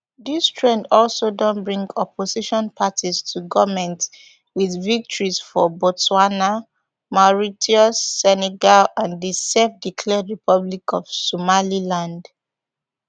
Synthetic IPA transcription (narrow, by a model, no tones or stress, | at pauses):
ðistʰɹɛ̃ndɔlsodɔ̃nbɹĩŋɡɔpʰosiʃɔ̃npʰatʰistʰuɡɔvmɛ̃nt | wiðvik̚tɔɹizfɔbɔswana | maɹitʰiɔsːɛnɛɡalãndisɛfdikʰlɛdɹipʰɔblikɔv̥sɔmalilãnd